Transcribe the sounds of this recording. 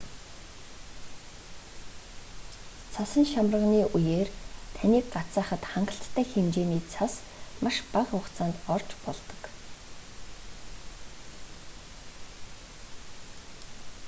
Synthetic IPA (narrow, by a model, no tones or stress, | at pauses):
t͡sʰasə̆ŋʃamrə̆ʁniːʔujeːrt̪ʰaniːk̚ɢat͡saːχə̆t̪χaɴɢə̆ɬt̪ʰːæːxemt͡ɕeːniːt͡sʰas | maʃpaʁʊkt͡saːnt̪ɔrt͡ɕpɔɮt̪ɞ̥̆k